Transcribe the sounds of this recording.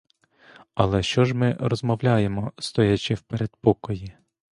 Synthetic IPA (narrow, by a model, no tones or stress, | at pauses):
ɐlˠɛʃt͡ʃɔʒmɪɾɔzmɔwlʲaje̞mɔst̪ɔjat͡ʃɪwpeɾed̪̚pɔkɔji